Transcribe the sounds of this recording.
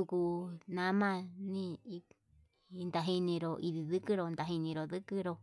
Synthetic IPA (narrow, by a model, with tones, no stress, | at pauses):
u˧ku˧nã˧˦mã˦˧nĩ˦˧ | nd̪a˧ɦi˧nĩ˧ɾo˧˨ʔi˧ði˧ðɨ˦kɨ˦ɾo˧nd̪a˧ɦi˧nĩ˧ɾo˨ðɨ˦kɨ˦ɾo˧